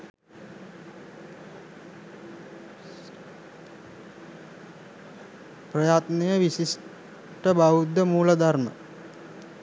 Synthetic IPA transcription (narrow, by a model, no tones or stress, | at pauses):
prəjaːt̪nejəʋisis | ʈəbaʋud̪ːəmuːləd̪ʱaɾmə̰